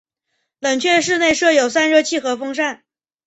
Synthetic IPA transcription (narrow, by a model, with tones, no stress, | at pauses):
lə˨˩ŋt͡ɕʰɥɛ˥˧ʂ̬ɻ̩˥˧ne˥˧ɪʂɤ˥˩jo˨˩ʊsa˥nɻɤ˥˧t͡ɕʰi˥˩xɤ˧˥fɤ˥ŋʂ̬a˥˩n